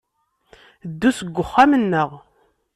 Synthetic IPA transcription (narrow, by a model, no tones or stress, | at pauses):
d̪ːusəɡʷːəχːamənːəʁ